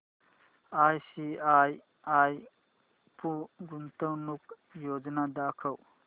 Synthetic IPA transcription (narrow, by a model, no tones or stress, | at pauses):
aːjsiaj | aːj | puɡunt̪ɐwnuk | joːd͡ʒnad̪aːkʰɐw